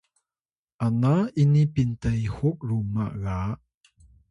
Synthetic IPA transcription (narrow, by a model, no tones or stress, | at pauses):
ʔanaʔinipint̪ɐjhuk̚rumːa̰ʔɣaʔ